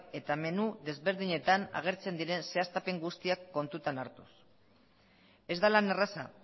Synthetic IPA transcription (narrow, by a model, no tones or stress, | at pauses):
e̞t̪ame̞nuðe̞zβe̞ɾðiɲe̞t̪ana̰ɣ̞e̞ɾt͡se̞nd̪iɾe̞nse̞ast̪ape̞ŋɡust̪iakːo̞nt̪ut̪anaɾt̪u̥s | e̞zd̪alane̞rasa̰